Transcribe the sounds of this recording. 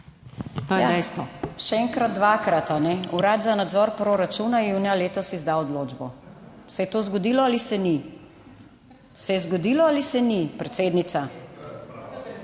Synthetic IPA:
t̪oːjɛjad̪ɛjst̪ʋɔʃɛɛŋkɾad̪̚d̪ʋakɾat̪anɛuɾaːd̪zanad̪zɔɾpɾoɾat͡ʃunajjuːnijaleːt̪ɔsizd̪aɔd̪loːd͡ʒbɔ | sɛjɛt̪ozɡɔd̪ilɔalisɛni | sɛjɛzɡɔd̪iːlɔalisɛnipɾɛt̪seːd̪nit̪sa

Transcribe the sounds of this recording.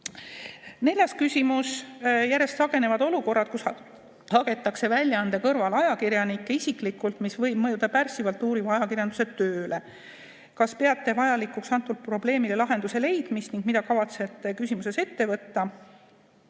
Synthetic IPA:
ne̞lʲjɑskysʲimusjæɾe̞st̪sɑɡ̥e̞ne̞vɑd̪o̞luko̞rːɑt̪̚kusɑ | hɑɡe̞t̪ːˑɑkse̞vælʲːjɑɑnd̪ekɤrvɑlɑjɑkiɾjɑnikːeisiklikːˑult̪misvɤ̞jb̥̚mɤjud̪̥ɑpærsivɑlt̪ːˑuːɾivɑɑjɑkiɾjɑnd̪uset̪ːøːle̞ | kɑspe̞ɑt̪ːe̞vɑjɑlikˑuksɑnt̪ːˑult̪̚pro̞ble̞ːmile̞lɑɦe̞nd̪use̞le̞jd̪̥mist̪niŋɡ̥̚mid̪ɑkɑvɑt̪se̞t̪ːˑekysʲimuse̞se̞t̪ːe̞vɤt̪ːɑ

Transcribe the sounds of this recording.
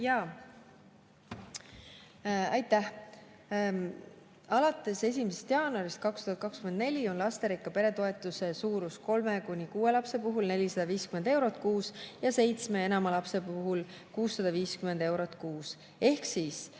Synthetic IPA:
jɑ | ɑjt̪ːˑæh | ɑlɑt̪ːˑe̞se̞s̬ʲimisest̪jɑːnuɑɾist̪̚kɑkst̪uhɑt̪̚kɑkskymend̪ne̞lʲio̞nlɑst̪e̞ɾikːˑɑpe̞ɾe̞t̪o̞e̞t̪ːˑuse̞suːɾusko̞lme̞kunʲikuːe̞lɑpse̞puɦulne̞lʲisɑd̪̥ɑviːskymend̪e̞wɾo̞t̪ˑkuːsjɑse̞jt̪sme̞e̞nɑmɑlɑpse̞puɦul | kuːsːɑd̪̥ɑviːskymend̪e̞wɾo̞t̪ːˑkuːs | e̞hksiːs

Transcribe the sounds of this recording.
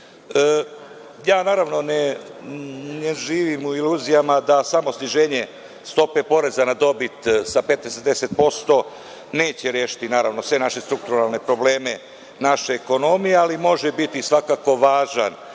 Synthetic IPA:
ə | jaːnaːɾaʋno̞ne | neʒiːʋimuiluːzijamad̪asamo̞sniʒe̞ːɲe̞ | st̪o̞pepo̞ɾe̞zanad̪o̞bit̪sapet̪d̪esed̪e̞set̪̚po̞st̪o̞ | ne̞ːt͡ɕeɾje̞ːʃi̥t̪inaːɾaʋno̞sʋe̞naʃe̞st̪ɾuk̚t̪uɾalˠne̞pɾo̞ble̞ːme̞ | naʃeːko̞no̞mijealimo̞ʒebit̪isʋakako̞ʋaːʒa̰n

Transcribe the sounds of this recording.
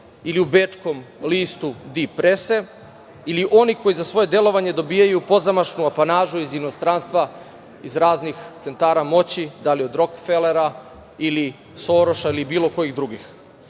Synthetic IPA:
iliubet͡ʂko̞mliːst̪ud̪ipɾese̞ | iliʔo̞niko̞jizasʋo̞je̞d̪e̞lo̞ʋaɲe̞d̪o̞biːjajupo̞zamaʃnuapanaːʒuizino̞st̪ɾaːnst̪ʋa | izɾaːznixt̪se̞nt̪aːɾamo̞t͡ɕid̪alio̞d̪ɾo̞kfeleɾa | ili | so̞ːɾo̞ʃailibiːlˠo̞ko̞jiɣd̪ɾuɡix

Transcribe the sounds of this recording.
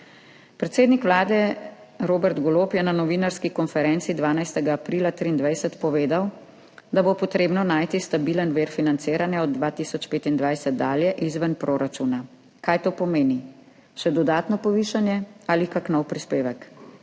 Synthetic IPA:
pɾɛt̪seːd̪nikʋlaːd̪ɛ | ɾoːbɛɾt̪ɡɔloːpjɛnanɔʋiːnaɾskikɔnfɛɾɛnt̪sid̪ʋaːnajst̪ɛɡaːpɾiːlat̪ɾiːnd̪ʋajsɛt̪pɔʋeːd̪aw | d̪abopɔt̪ɾeːbnɔnaːjt̪ist̪abiːlənʋeːɾfinant̪seːɾanjaɔd̪ːʋaːt̪isɔt͡ʃpeːt̪ind̪ʋajsɛt̪̚d̪aːljɛʔizʋənpɾoːɾat͡ʃuːna | kaːjt̪oːpɔmeːni | ʃɛd̪ɔd̪aːt̪nɔpɔʋiːʃanjɛalikaknɔwpɾispeːʋək

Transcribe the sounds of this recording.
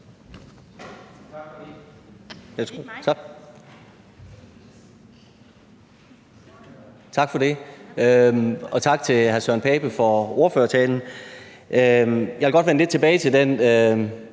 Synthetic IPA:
jʰ | t͡sʰɑ̈ɡ̥fɒ̽d̥e̝ømɒ̽t͡sʰɑ̈ɡ̥̚t͡sʰe̝lhæɐsœɐ̰npʰɛːb̥əfɒ̽o̝ːɐføːɐsʰɛ̰ːln̩ʔøjɑʋelɡɒ̽d̥ʋenle̝d̥t͡sʰe̝b̥ɛːɪt͡sʰe̝ld̥enø

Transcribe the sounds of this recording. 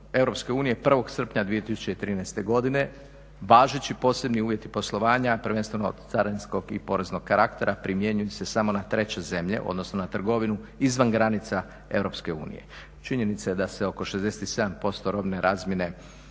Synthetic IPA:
e̞ʋɾo̞pske̞uːnije̞pr̩ʋo̞ɡsr̩pɲad̪ʋije̞t̪isu̥t͡ɕe̞it̪ɾiːnɛjst̪e̞ɡo̞d̪ine̞ | ʋaːʒet͡ɕipo̞ːse̞bniuːʋje̞t̪ipo̞slˠo̞ʋaːɲapr̩ʋe̞nst̪ʋenot̪saɾensko̞ɡḭpo̞ɾe̞zno̞ɡ̥̚kaɾakt̪e̞ɾʔapɾimje̞ɲujese̞samo̞nat̪ɾe̞t͡ɕe̞ze̞mʎe̞̰ʔo̞̰d̪no̞snonat̪r̩ɡo̞ʋinuizʋanɡɾanit̪sa | e̞̰ʋɾo̞pske̞ṵːnḭje̞̰ | t͡ʃiɲe̞nit̪sajed̪ase̞o̞ko̞ʃe̞zd̪e̞set̪ise̞d̪ampo̞st̪o̞ɾo̞bne̞ɾʔaːzmje̞ne̞

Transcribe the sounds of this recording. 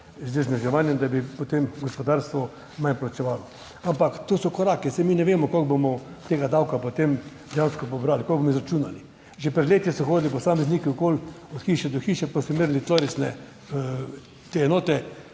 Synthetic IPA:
zd̪ɛznɛʒɛʋanjɛmd̪abipot̪emɡɔspɔd̪aɾst̪ʋɔ | manplat͡ʃɛʋalɔ | ampakt̪oːsɔkɔɾaːkɛsɛminɛʋeːmɔkoɡbomɔt̪eːɡad̪awkapot̪em | d̪ɛjanskɔp̬obɾalikɔlɡbomɔizɾat͡ʃuːnali | ʒepɾɛd̪leːt̪jisɔxoːd̪lipɔsaːmɛznikɛʊkol | ɔt̪xiːʃɛd̪ɔxiːʃɛpasɔmiɾlit̪loːɾisnɛ | t̪eːɛnoːt̪ɛ

